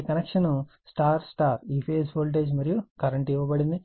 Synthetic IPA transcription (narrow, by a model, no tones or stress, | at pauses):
kɐnekʂɐnu | sʈaːɾsʈaːɾiːpʰeːsboːlʈ̬eːd͡ʒmɐɾijukɐɾɐɳʈiʋɐbɐɽind̪i